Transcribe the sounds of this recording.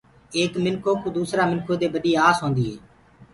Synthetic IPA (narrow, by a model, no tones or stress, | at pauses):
eːkmɪnkʰoːkuːd̪uːsɾaːmɪnkʰoːd̪eːbəɗiːaːsɦõːnd̪iːɦeː